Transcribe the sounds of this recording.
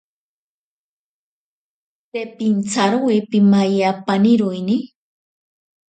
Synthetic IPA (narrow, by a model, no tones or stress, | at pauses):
tepint͡saɾuwepimajapaniɾʊjni